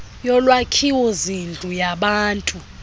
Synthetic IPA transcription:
jɔlwakʰiwɔzind͡ɮʱujaɓaːntʼu

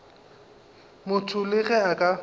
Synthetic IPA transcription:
mʊtʰʊlɪɣɛakʼa

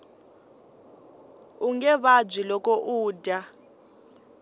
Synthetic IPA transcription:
uŋɛβad͡ʒwilɔkʼɔʔuːdʱa

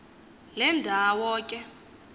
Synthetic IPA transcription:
lɛndʱawɔːkʼɛ

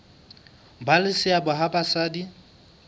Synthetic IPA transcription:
balɪsɪabʊɦabasaːdi

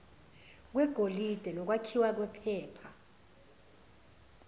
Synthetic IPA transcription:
k̬wɛɡ̥ʱolid̥ʱɛlɔk̬wakʰiwak̬wɛpʰɛːpʰa

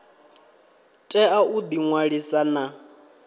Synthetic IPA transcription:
tʼɛaud̪iŋwaɺisana

